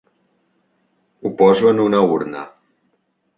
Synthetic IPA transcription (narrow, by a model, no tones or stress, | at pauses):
upɔzuənunauɾnə̰